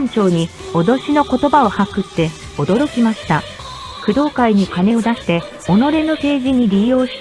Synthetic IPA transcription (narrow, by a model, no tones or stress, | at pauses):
ɲt͡ɕo̞ːɲ̟io̞d̪o̞ɕino̞ko̞t̪o̞bao̞hakɯ̟t̪ːe̞ | o̞d̪o̞ɾo̞kʲimaɕi̥t̪a | kɯ̟d̪o̞ːkaiɲ̟ikane̞o̞d̪aɕi̥t̪e̞ | o̞no̞ɾe̞no̞pe̞ːʑiɲ̟iɾʲijo̞ːɕi̥t̪